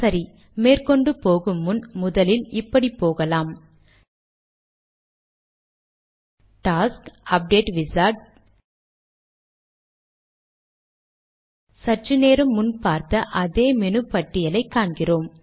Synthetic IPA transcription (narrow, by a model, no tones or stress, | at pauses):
sɐɾi | meːrkɔɳɖɯpoːɣɯmːʊnmʊðɐlɪlɪpːɐɽipːoːɣɐlaːm | ʈaːskɐp̚ɖeːʈʋɪsaːʈ | sɐʈrɯneːɾɯmːʊnpaːɾt̪ɐʔɐðeːmɛnɯpːɐʈːɪjɐlɐɪkːaːɳɡɪroːm